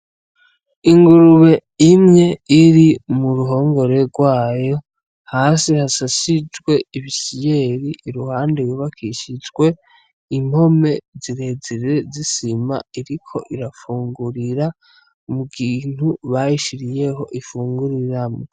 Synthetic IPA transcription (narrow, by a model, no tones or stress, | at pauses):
iŋɡuɾuβe̞imŋe̞iɾimuɾuɦo̞ːŋɡo̞ɾe̞ɾɡwaːjo̞ | haːsihasasid͡ʒɡwe̞iβisije̞ɾiːɾuhaːndewuβakʰiʃid͡ʒɡwe̞ | im̥ho̞me̞ziɾe̞ziɾe̞zisima̰iɾikʰo̞̰ʔiɾafuːŋɡuɾiɾa | muɡiːn̥huβajiʃiɾije̞ɦo̞ʔifuːŋɡuɾiɾamo